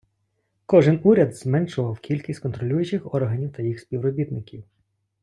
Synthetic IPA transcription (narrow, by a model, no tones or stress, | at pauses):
kɔʒɪnuɾʲɐd̪zmɛnʃʊʋɐwkʲilʲkʲisʲkɔnt̪ɾɔlʲujʊt͡ʃɪxɔrɦɐnʲiwt̪ɐjixsʲpʲiwɾɔbʲit̪nɪkʲiw